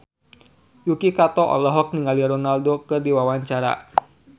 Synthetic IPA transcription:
jukikat̪ɔʔɔ̰lɔɦɔk̚niŋaliaɾɔnaldokɨrdiwawaɲt͡ʃaɾa̰

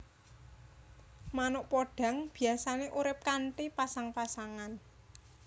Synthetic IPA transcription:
manʊʔpoɖ̥a̤ŋb̥i̤asaneʔuɾɪp̚kaɳʈipasaŋpasaŋan

